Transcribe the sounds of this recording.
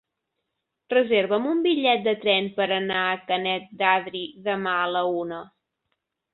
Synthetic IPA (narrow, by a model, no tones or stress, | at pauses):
rəzeɾβəmumbiʎɛt̪̚d̪ət̪ɾɛnpəɾənaəkənɛt̪̚d̪aðɾiðəmaələunə